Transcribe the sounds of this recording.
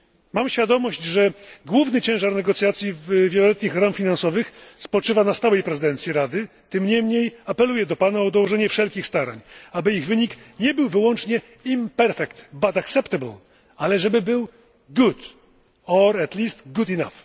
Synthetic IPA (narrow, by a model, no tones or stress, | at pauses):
mamɕfʲjad̪ɔmɔɕd͡ʑʐɛɡwuvnɘt͡ɕɛ̃w̃ʐaɾnɛɡɔt̪sʲjat̪sʲjivvʲjɛlɔlɛt̪ɲixɾamfʲinansɔvɘxspɔt͡ʂɘvanast̪awɛjpɾɛzɨd̪ɛnt̪sʲjiɾad̪ɘ | t̪ɘmɲɛmɲejapɛlujɛd̪ɔpanaɔd̪ɔwɔʐɛɲɛfʂɛlkʲixst̪aɾa̰ɲabɘiɣvɘɲikɲɛbɘwvɘwɔnt͡ʂɲɛ | impɛɾfɛkt̪bat̪aksɛpt̪abl | alɛʐɛbɘbɘw | ɡut̪ | ɔɾɛt̪lʲist̪ɡut̪ina̰f